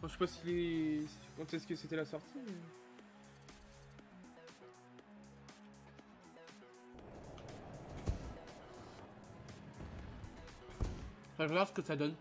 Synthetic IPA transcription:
ɛ̃ʃepasilɛspɑ̃t̪ɛsəkəset̪ɛlasɔʁt̪ʰi | fɛ̃ʒəvaʁsə̥kət̪ad̪ɔn

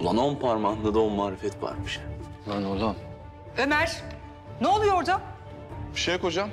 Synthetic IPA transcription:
lˠanonpʰaɾmand̪ad̪aonmaːɾefɛt̪va̰ɾmɯʃmanolˠam | ømæɾ̥ | neolˠujoɾd̪a | biʃejko̞d͡ʒam

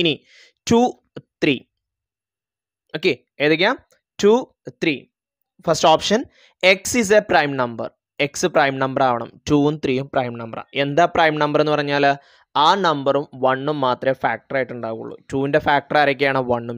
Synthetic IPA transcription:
ini | tuː | t̪ri | oːkːe | eːðek̬ʲːaːm | tuː | t̪ri | fɐsʈoːpʂɐn | e̞ksis̬eprɐjmnɐmbɐ̰r | e̞ksɨprɐjmnɐmbɐɾaːʋɐɳɐ̰mtuːumt̪riːjumprɐjmnɐmbɐ̰ra̰e̞nd̪aːprɐjmnɐmbɐre̞nːɨpɐrɐɲːaːl | aːnɐmbɐrumʋɐɳːumːaːt̪rɐfaːk̚ʈɐraːjiʈːuɳɖaːɣuṵɭːṵtuːinde̞faːk̚ʈɐraːɾɐk̬ʲːɐjaːɳɨʋɐɳːum

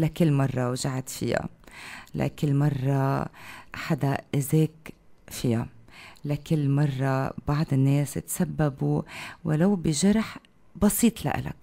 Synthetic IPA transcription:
lakɪlːmɑrˤːɑwʒaʕat̪fɪ̰ja̰la̰kɪlːmɑrˤːɑ | ħad̪aʔɪzeːkfɪjalakɪlːmɑrˤːɑbɑʕd̪ˤɪnːeːshɪ̰t̪sabːabuwɪlawbɪʒɑɾˤħ | bɑsiːt̪ˤla̰ʔɪ̰la̰k̚

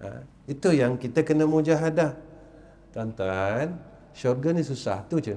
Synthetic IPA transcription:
a̰ | it̪ujaŋkit̪əkənəmud͡ʒaɦadah | t̪ant̪an | ʃɔrɡanis̬usa̰ht̪ut͡ʃə

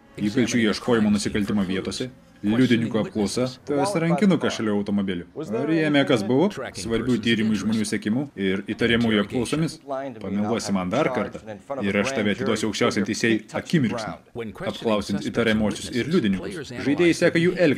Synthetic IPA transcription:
iːkɐlʲt͡ʃʲuːiɛʃkoːjɪmoːnʊsʲɪkɐlʲt̪ʲɪmoːʋʲiɛt̪oːsʲɛ | lʲʊd̪ʲɪnʲɪŋkuɐp̚klˠɒʊsɐt̪ɐɐtsʲɾɐŋʲkʲɪnʊkɐʃʲɛlʲuːɐʊt̪oːmobʲɪlʲʊɐɾjeɛmʲɛkɐsbʊʋosʋɐɾʲbʲuːt̪ʲiːɾʲɪmʊɪʒmoːnʲuːsʲɛkʲɪmuːɪɾit̪ɐɾʲɛmuːjuɐpklˠɒʊsoːmʲɪspɐmʲɛlˠuɔsʲɪmɐnd̪ɐɾkɐɾt̪ɑɪɾɐʃt̪ɑʋʲiɐt̪ʲɪd̪oːsʲɪɐkʃʲt͡ʃʲæˑʊsʲɛnt̪ʲɛɪsʲeɛjɐkʲɪmʲɪɾʲksʲnɐ | ɐpklˠɐʊsʲɪnʲt̪it̪ɐɾʲɛmuɔsʲʊsɪɾlʲʊd̪ʲɪnʲɪŋkʊsʒɐɪd̪ʲeːjɛsʲæːkɐjuːʔɛlʲk

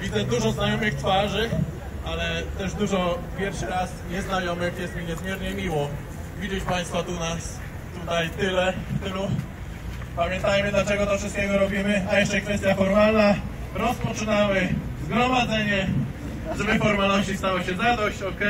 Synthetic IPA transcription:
vʲid̪zɛd̪uʐɔznajɔmɘxt̪faʐɘ | alɛt̪ɛʐd̪uʐɔpʲjɛɾfʂɘɾasɲɛznajɔmɘxjɛst̪mʲiɲɛzmʲjɛɾɲɛmʲiwɔ | vʲid͡ʑɛt͡ɕpaj̃st̪fat̪unas | t̪ut̪ajt̪ɘlɛft̪ɘlu | pamʲjɛnt̪ajmɘd̪lat͡ʂɛɡɔt̪ɔfʂɨst̪kʲɛɡɔɾɔbʲimɘajɛʂt͡ʂɛkfɛst̪jafɔɾmalna | ɾɔspɔt͡ʂɨnawɘ | zɡɾɔmad̪zɛɲɛ | ʐɛbɛfɔɾmalnɔɕt͡ɕist̪awɔɕɛzad̪ɔɕt͡ɕɔkɛ

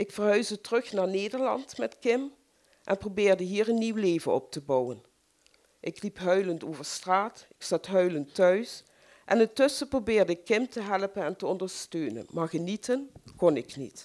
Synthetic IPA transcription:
ʔɪkfəɹɦœɥzdətərɵxnaːɹneːdəɹlɑ̰ntmɛtkɪm | ʔɛnprobɪːɹdəɦiːɹənːiwleːvənɔ̰p̚təbɑwən | ʔɪklipɦœɥləntoːvəɹstraːtɪksɑtɦœɥləntœɥs | ʔɛ̰nɪntɵsəprobɪːɹdəkɪmtəɦɛləpənɛntəɔndəɹstøːnə̰nmaːɹɣənitənkɔnɪknḭt

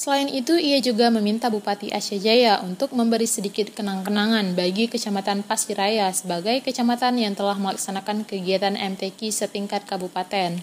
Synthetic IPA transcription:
səlaɪnit̪uijad͡ʒuɡaməmint̪abupat̪iʔaʃad͡ʒajaʔunt̪ʊk̚məmbəɾisədikɪt̪̚kənaŋkənaŋanbaɡikət͡ʃamat̪anpasiɾajasəbaɡajkət͡ʃamat̪anjaŋt̪əlahməlaksanakankəɡiat̪anʔɛmt̪ekisət̪iŋkat̪̚kabupat̪ɛn

